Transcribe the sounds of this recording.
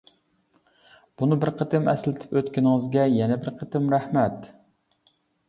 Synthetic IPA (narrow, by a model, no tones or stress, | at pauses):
b̥unɨbɪɾqʰət̪ɨmɛslɪt̪ʰɪ̥pøt̪kʲɪnɪŋɨzɡʲɛjɛnɛbɪɾqʰət̪ɪmɾæhmɛt̪